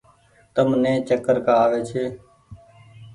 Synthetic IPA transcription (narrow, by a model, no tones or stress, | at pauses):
t̪əmnẽːt͡ʃəkəɾkaːʋeːt͡ʃʰeː